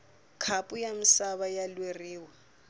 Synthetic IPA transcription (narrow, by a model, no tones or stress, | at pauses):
kʰapʼujamisaβajalweriːwa